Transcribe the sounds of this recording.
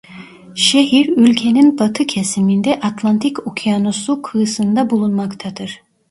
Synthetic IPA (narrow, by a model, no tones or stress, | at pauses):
ʃeɦiɾylʲcʰeninbat̪ʰɯcʰesimind̪ɛʔat̪ʰlˠant̪ʰikokʰianosukʰɯsɯnd̪abulˠunmakt̪ʰad̪ɯɾ̥